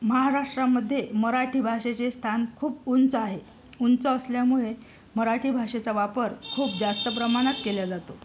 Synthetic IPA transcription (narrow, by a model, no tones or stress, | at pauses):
məɦaɾaʂʈɾaməd̪ʱːjeməɾaʈʰiːbʱaʂet͡sest̪ʰankʰuːpunt͡səaɦe | unt͡səːsljamuɭe | məɾaʈʰiːbʱaʂet͡saʋapəɾkʰuːp̚d͡zast̪əp̬ɾəmaɽ̃at̪keljad͡zat̪o